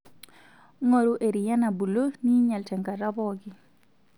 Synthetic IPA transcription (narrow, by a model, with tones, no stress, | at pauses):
ŋo˨ɾu˦ʔe˨ɾi˨ja˦na˨bu˨lo˦ni˦ɲa˨ltɛ˨ŋɡa˨ɾa˦bɔ˦ɡɪ˦